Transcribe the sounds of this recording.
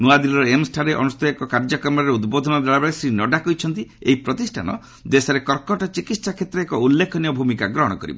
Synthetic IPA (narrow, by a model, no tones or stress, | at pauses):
nuad̪ilɾɔemsʈʰaɾeʔɔ̰nust̪ɔjekɔkaɾd͡ʒɔkɾɔmɔɾɾeud̪bod̪ʱɔnɔd̪aɭabɭesɾinɔɖakɔjt͡ʃʰɔnt̪ieɦipɾɔt̪isʈʰa̰nɔ̰ | d̪esɔɾekɔɾkɔʈɔt͡ʃikit̪ssakʰet̪ɾɔekɔulːekʰɔniɔbʱumikaɡɾɔɦɔɽ̃ɔkɔɾḭbɔ